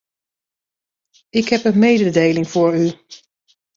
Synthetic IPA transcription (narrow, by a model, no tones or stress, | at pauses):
ɪkɦɛpənmejdədejlɪŋv̥ʊːɹy